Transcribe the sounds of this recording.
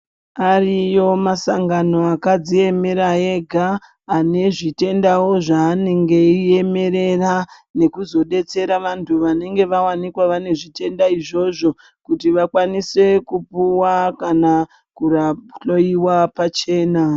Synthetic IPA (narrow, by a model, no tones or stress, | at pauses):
arijo̞masaŋɡano̞akad͡zie̞me̞ɾae̞ɡʱaː | ne̞ʐite̞ndawo̞ʐaːneŋɡe̞ie̞me̞ɾe̞ra | ne̞kuzo̞ɗe̞t͡se̞ɾaʋantʰuʋane̞ŋɡe̞ʋawanikwaʋane̞ʐite̞ndaiʐo̞ʐo̞ | kutiʋakwanise̞kupuwakana | kuraɬo̞iwapat͡ʃe̞ːna